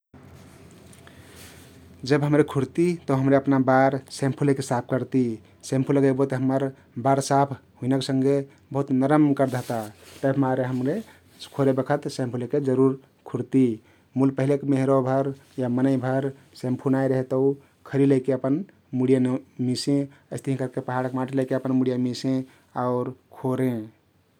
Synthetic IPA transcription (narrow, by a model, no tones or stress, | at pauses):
d͡ʒəbɦəmɾekʰuɾt̪it̪əɦəmɾeəpnabaɾsẽmpʰulekesap̚ʰkəɾt̪i | sẽmpʰuləɡəbot̪eɦəməɾ | baɾsapʰɦuinəksəŋɡe | bəɦut̪nəɾəmkəɾd̪ʱəɦt̪at̪əbmaɾeɦəmɾe | skʰoɾebəkʰət̪sẽmpʰuleked͡ʒəɾuɾ | kʰuɽt̪i | mulpəɦilekemeɦɾobʱəɾjamənəibʱəɾ | sempʰunajɾəɦet̪əu | kʰəɾiləɪkeəpən | muɽijamisẽ | əɪst̪ʰiɦĩkəɾkepəɦaɽəkmaʈʰiləɪkeəpənmuɽijamisẽ | aʊɾkʰoɾẽ